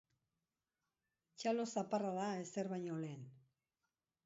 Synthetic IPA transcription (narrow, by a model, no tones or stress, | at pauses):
t͡ʃalo̞saparaðae̞seɾβajɲo̞le̞ːn